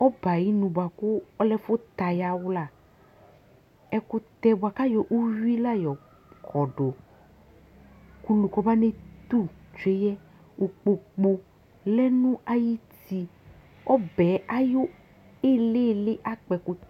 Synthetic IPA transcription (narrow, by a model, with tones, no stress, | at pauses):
ɔ˦ba˨ji˦nũ˨ba˨kʊ˦ɔ˦lɛ˦fʊ˦t̪a˨ja˦wla˨ | ɛ˦kʊ˦t̪ɛ˦bʊ˨a˨ka˦jɔ˨ʔu˦wi˦la˦jɔ˨ | kʰɔ˨ɖo˨ | ku˦lũ˨kɔ˦ba˦ne˦t̪u˦˨t͡ʃe˦jɛ˦ | o˨k͡po˨k͡po˧ | lɛ˦nũ˦a˦ji˦t̪i˧ | ɔ˦bɛ˨˦a˦jo˦ | e˦le˦˨le˦ʔa˦k͡pɛ˨kʊ˦